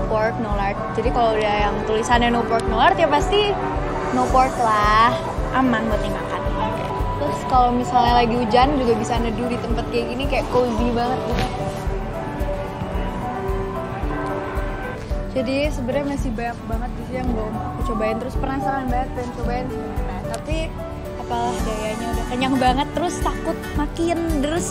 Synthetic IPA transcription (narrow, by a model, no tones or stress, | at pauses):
pɔrt̪̚nolart̪̚d͡ʒadikaloudahjaŋt̪ulisananopɔrt̪̚nolart̪japast̪i | nopɔrt̪lah | ʔamahŋɡot̪iŋa̰kana | t̪ɾʊskalomisalɲalaɡiud͡ʒand͡ʒuɡabisanədudit̪əmpat̪̚kajaɡinikajaʔkod͡ʒibaŋət̪̚ɡuɡat̪aa | d͡ʒadisəbəɾɲamasɪhbajak̚baŋət̪̚disijaŋɡomakət͡ʃobaɪnt̪əɾʊspərnahsaŋanbaŋət̪̚bajant͡ʃobaɪnsəapənant̪api | apalahdajaɲabakanaŋbaŋət̪ːəɾʊst̪akʊt̪̚makiəndəɾʊs